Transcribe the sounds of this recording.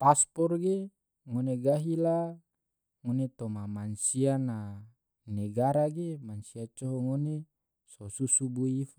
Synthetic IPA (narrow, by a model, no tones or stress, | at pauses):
paspɔrɡe | ŋoneɡaɦila | ŋonet̪omamansiana | neɡaɾaɡemansiat͡ʃɔɦɔŋone | sosusubuifa